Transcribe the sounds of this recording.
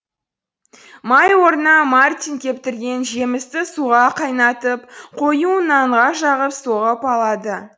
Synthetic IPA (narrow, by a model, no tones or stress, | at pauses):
mɑjwo̞ɾənɑmart̪ʲinkʲʰe̞p̚t̪ɪɾɡʲe̞nʒe̞mɪst̪ɪsuʁɑqʰɑjnɑt̪əp̚qʰo̞junɑɴʁɑʃɑʁəpsoʁəpɑlˠɑd̪ə